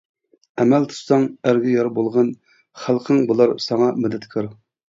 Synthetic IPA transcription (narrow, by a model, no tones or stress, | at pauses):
ɛmælt̪ʰu̥sɑŋæɾɡʲɪjɑɾbolˠʁɑn | χælˠqʰəŋbulˠɑɾsɑŋɑmud̪ɛt̪kʲʰɑɾ